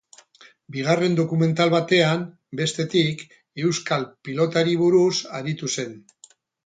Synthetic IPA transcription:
biɣ̞are̞nd̪o̞kume̞nt̪alβat̪e̞am | be̞st̪e̞t̪ik | e̞wskalpilo̞t̪aɾiβ̞uɾusaɾit̪use̞n

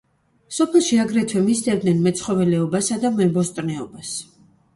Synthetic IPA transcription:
sɔpʰɛlˠʃiaɡɾɛt̪ʰwɛmit̪sd̪ɛvd̪nɛnmɛt̪sʰχɔvɛlɛɔbasad̪amɛbɔst̪ʼnɛɔbas

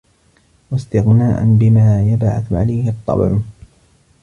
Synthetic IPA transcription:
wast̪ɪɣnaːʔa̰nbɪmaːjabʕa̰θʕa̰lajhɪt̪ˤːɑ̰b̰ɾ

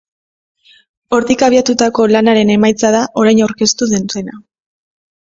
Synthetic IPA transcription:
o̞ɾt̪ikaβiat̪ut̪ako̞lanaɾe̞ne̞majt͡sað̞aʔo̞ɾajnawɾke̞st̪uðense̞na

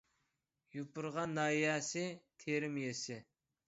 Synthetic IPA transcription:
jupʊɾʁɑnːɑjɛsɪt̪ʰeɾɪmjesɪ

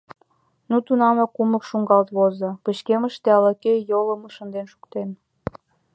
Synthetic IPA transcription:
nut̪unɑmokuməkʃuŋɡɑlt̪βozəpəɕkeməʃt̪eɑlɑkejoləməʃənd̪enʃu̥kt̪en

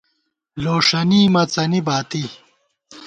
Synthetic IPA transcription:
loːʂɐniːmɐt͡sɐnibaːt̪i

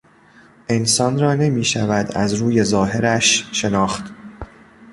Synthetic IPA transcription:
ʔe̞nsɒːnrɒːne̞miːʃævæd̪æ̰zɾuːje̞zɒːɦe̞ɾæʃʃe̞nɒːxt̪

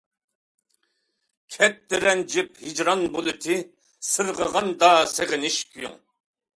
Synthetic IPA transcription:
kʲʰɛt̪d̪ɪɾɛnd͡ʒiphid͡ʒɾɑnbolɪt̪ʰi | sɨɾʁəʁɑnd̪ɑːseʁɪniʃkʲʰujṵŋ

